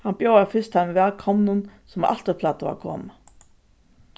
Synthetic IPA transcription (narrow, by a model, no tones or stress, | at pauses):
hanbjoːwafɪst̪anvɛːlkʰɔmnʊnsɔmʔa̰l̥t̪əpʰlaːt̪aʋa̰kʰɔ̰ːma